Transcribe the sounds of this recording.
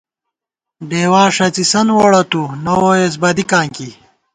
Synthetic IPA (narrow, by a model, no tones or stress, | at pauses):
ɖeːwaːʂɐt͡sisɐnwoːɽɐt̪unɐwoːes̬bɐd̪ikãːŋki